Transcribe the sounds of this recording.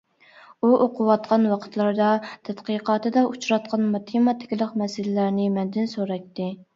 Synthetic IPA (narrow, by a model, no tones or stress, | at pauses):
uʔoqʰʊwɑt̪̚qʰɑnwɑqʰə̥t̪lˠɑɾd̪ɑt̪ʰɛt̪qiqɑːt̪ɨd̪ɑʔut͡ʃɾɑt̪̚qʰɑnmɑt̪ʰemɑt̪ʰɪ̥kʲlˠəqmɛsɪlɪlæɾnɪmɛnd̪ɪnsoɾɑt̪ːɪ